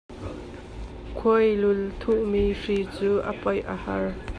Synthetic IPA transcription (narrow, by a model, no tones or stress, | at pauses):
kʰujlʊlt̪ʰuʔmiʂit͡suːʔəpɔjʔəhɐr